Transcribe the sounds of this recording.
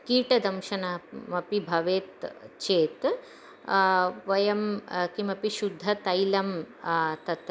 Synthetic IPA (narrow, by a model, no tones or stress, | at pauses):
kiːʈɐd̪ɐmʃɐnamɐpibʱɐʋeːt̪t͡ʃeːt̪ | ʋɐjɐmkimɐpiʃud̪ʱːɐt̪ɐjlɐm | t̪ɐt̪